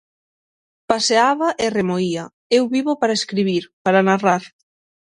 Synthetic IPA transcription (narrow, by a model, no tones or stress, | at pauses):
paseaβɐʔɪremoiɐ | ewβiβopaɾaeskɾiβiɾpaɾanaraɾ